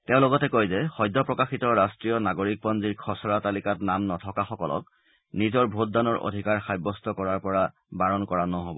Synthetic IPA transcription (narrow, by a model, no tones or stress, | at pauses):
teʊ̃lɔɡɔtɛkojzɛxɔjdʱːɔpɹɔkaxitɔɹastɹijɔnaɡoɹik̚pɔnziɹkʰɔsɔɹatalikatnamnɔtʰɔkaxɔkɔlɔ̰k̚ | nizɔɹbʱot̚danɔɹʔo̰dʱikaɹxajbɔstɔkɔɹaɹpɔɹa | baɹɔnkɔɹanɔɦobɔ